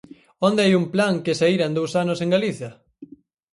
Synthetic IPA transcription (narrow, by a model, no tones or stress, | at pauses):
ond̪eajumplaŋkesaiɾand̪owsanoseŋɡaliθjɐ